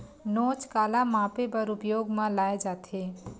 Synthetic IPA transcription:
not͡ʃkalamãpebəɾupjoːɡmẽlaed͡ʒat̪ʰe

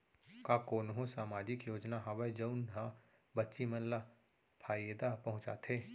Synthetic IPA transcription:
kakoːnɦõsaːmaːd͡ʒɪkjoːd͡ʒnaɦaʋəjd͡ʒəʊnɦa | bətːʃimɐnla | pʰaːjeːd̪apɐɦʊ̃t͡ʃa̰t̪ʰeː

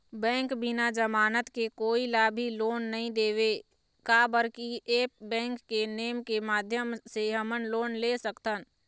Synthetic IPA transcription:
bɛ̃ːŋkbɪnad͡ʒəmaːnət̪kekoːilaːbʱiloːnːəɦĩd̪eːʋe | kaːbəɾkieːpbɛ̃ːŋkːeneːmkemaːd̪ʱjəmseɦəmənloːnlesəkt̪ən

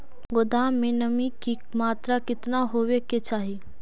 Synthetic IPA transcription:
ɡʊd̪aːmẽnɐmiki | maːt̪ɾakɪt̪naɦoːweket͡ʃaːɦi

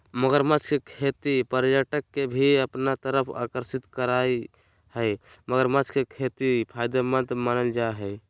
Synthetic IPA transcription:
məɡəɾmat͡ʃʰkekʰet̪ipəɾjaʈəkːebʱiəpnat̪əɾəpʰa̰kəɾsit̪kəɾai | həjməɡəɾmat͡ʃʰkekʰet̪ipʰajd̪əmət̪manəld͡ʒaeɦəɪ

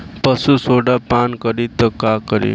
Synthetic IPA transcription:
pəsusoɽapankəɾit̪əkakəɾḭ

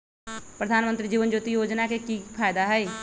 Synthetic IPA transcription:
pɾəd̪ʱaːnmə̃nt̪ɾid͡ʒiːʋənd͡ʒoːt̪ijoːd͡ʒnakekipʰaːjd̪aɦɛe

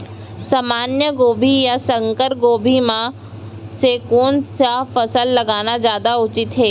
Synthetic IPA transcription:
saːmaːnjəɡoːbʱijasɐ̃ŋkəɾɡoːbʱimã | sekuːnsafɐsəlːɐɡaːnazjaːd̪aʊt͡ʃɪt̪ɦeː

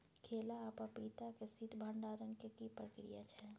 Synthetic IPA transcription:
kʰeːlaːpapiːt̪akesit̪bʱəɳɖaːɾənkekipɾəkɾḭja̰t͡ʃʰɛ

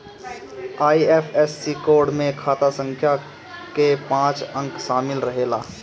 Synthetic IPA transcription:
aːieːpʰɛsːikoːɾɖmẽkʰaːt̪asə̃ŋkʰja | kepãːt͡ʃə̃ŋkʃaːmɪlɾɐɦeːlaː

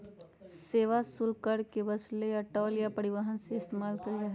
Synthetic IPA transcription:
seːʋasʊlkəɽkebɐsleɐʈɔːljapɐɾɪʋaɦənseɪst̪eːmaːlkɐɾiɾɐɦɛ

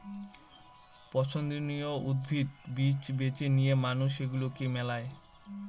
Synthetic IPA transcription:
pɔt͡ɕʰond̪inioud̪̚bʱit̪bit͡ɕbet͡ɕenijemanuʃeɡulokemɛlae

